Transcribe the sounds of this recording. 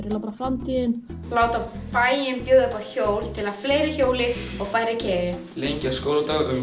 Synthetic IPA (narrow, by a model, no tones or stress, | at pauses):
ɾjɪlawt̪afɾamt̪ʰiːðɪnlaːwt̪apaːjjɪnpjoːðapaçoːwlt̪ʰɪlafleːjɾɪçoːwlɪɔɣfaːjɾɪcʰɛːjɪ | lejɲcɪaskowɾat̪aːlaka